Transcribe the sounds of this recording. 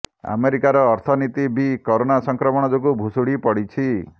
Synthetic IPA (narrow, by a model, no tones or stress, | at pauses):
a̰meɾikaɾɔːɾt̪ʰɔnit̪ibikoɾonasɔŋkɾɔmɔɽ̃ɔd͡ʒoɡubʱusuɽipɔɽit͡ʃʰi